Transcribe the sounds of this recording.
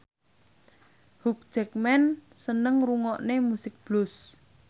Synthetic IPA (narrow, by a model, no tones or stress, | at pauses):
huk̚d̥d͡ʒ̥ɛk̚mɛnsənəŋruŋɔʔnemusɪk̚b̥lʊs